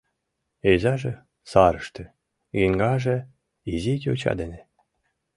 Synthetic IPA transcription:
ezɑʒĕ | sɑɾɤʃt̪ĕ | ɣeŋɡɑʒĕ | izit̪ʲot͡ɕɑ̰d̪enʲĕ

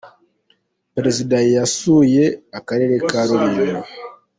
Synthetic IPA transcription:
pɾezidajjasujeakaɾeɾekaɾoβiɾa

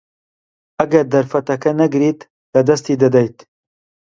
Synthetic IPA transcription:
ɐɡɐɾd̪ɐɾfɐt̪ɐkʰɐnɐɡɾiːt̪ | lɐd̪ɐst̪iːd̪ɐd̪ɐjt̪

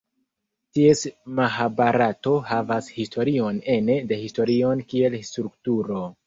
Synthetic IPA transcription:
tie̞smaɦabaɾato̞havashistʰo̞ɾio̞ne̞ne̞de̞histo̞ɾio̞nkie̞lstɾuk̚tuɾo̞

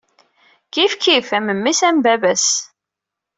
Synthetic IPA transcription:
kifkifæməmːisæmbævæs

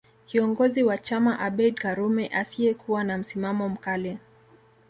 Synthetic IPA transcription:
kiɔŋɡɔziwat͡ʃamaʔaɓɛdkaɾumɛʔasiɛkuwanam̩simamɔm̩kalɛ

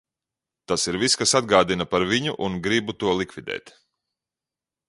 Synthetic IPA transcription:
t̪asiɾviskasad̪ɡaːd̪inapaɾviɲuʔunɡɾibut̪uɔlˠikvʲid̪ɛ̰ːt̪

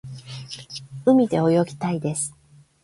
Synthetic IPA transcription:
ɯ̟mʲid̪e̞o̞jo̞ɡʲi̥t̪aid̪e̞sɨ̥

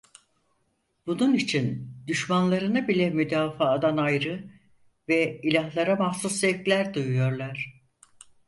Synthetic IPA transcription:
bununit͡ʃʰind̪yʃmanlˠaɾɯnabilʲɛmyd̪aːfaːd̪anajɾɯ | vɛilʲaɦlˠaɾamahsuszɛklʲæɾd̪ujujo̞ɾlˠaɾ̝̥

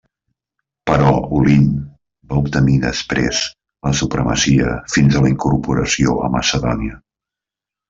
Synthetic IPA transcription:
pəɾɔulin | baup̚t̪əmiðəspɾez | ləsupɾəmə̰siəfinzələiŋkuɾpuɾəsioəməsəðɔniə

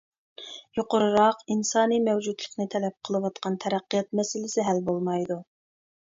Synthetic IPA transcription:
joqʊɾɨɾɑqinsɑːnimɛwd͡ʒud̪lˠəqnɨt̪ʰɛlɛp̚qʰəlˠɨwɑt̪qʰɑnt̪ʰɛɾæqːijɑt̪̚mɛsɪlɪsɪɦælbolˠmɑjd̪u

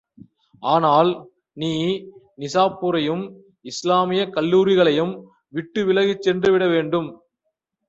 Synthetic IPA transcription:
ʔaːnaːl | niː | nɪsaːpːʊɾɐjɯm | ɪslaːmɪjɐkɐlːuːɾɪɣɐɭɐjɯm | ʋɪʈːɯʋɪlɐɣɪt͡ʃːɛndrɯʋɪɽɐʋeːɳɖɯm

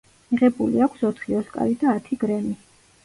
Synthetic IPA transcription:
miʁɛbulḭakʷʰsɔt̪ʰχiɔskʼa̰ɾid̪aːt̪ʰiɡ̥ɾɛmi

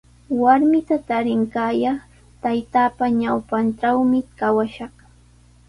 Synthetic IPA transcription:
waɾmɪt̪at̪aɾɪŋkaːjɑχ | t̪ajt̪aːpaɲawpanʈ͡ʂawmɪkawaʃɑχ

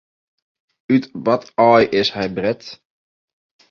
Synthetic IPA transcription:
ytʋɔtɔjʔɪshɛjbrɛt

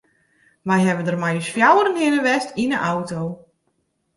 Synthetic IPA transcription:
ʋɛjɦɛbəndərmɛjəsfjawəɾənhɪnəʋɛstinəʔawtow

